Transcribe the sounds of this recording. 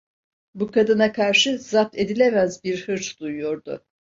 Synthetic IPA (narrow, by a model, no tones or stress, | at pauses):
bukʰad̪ɯnakʰaɾʃɯzap̪e̞d̪ilʲemæzbiɾhɯɾt͡ʃd̪̥ujujo̞ɾd̪ʊ̰